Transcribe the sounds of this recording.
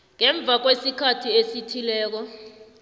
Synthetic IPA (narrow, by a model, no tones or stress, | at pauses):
ŋɛɱb̪vʱak̬wesikʰatʰiesitʰilɛːk̬ɔ